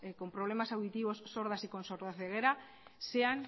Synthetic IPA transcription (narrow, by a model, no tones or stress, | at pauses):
eko̞mpɾoβlemasawðit̪iβ̞osːoɾð̞asikonsoɾðaθeɣ̞eɾa | seaŋ